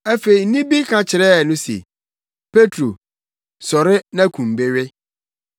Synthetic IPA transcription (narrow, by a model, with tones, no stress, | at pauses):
æ˦fe˨i˨n˦nĩ˦bi˦kʰã˨t͡ɕʰɪ˨ɾɛː˦˨nʊ̃˦sḛ˨ | pʰe˦tʰɾo˨ | sɔ˨ɾɪ˦nã˦kʰũ˨m˨be˦ɥɪ˦